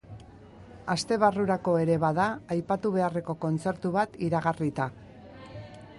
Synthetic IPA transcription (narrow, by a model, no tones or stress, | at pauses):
ast̪e̞βaruɾako̞e̞ɾe̞βaðaːjpat̪uβ̞e̞are̞ko̞ko̞nt͡se̞ɾt̪uβat̪iɾaɣarit̪a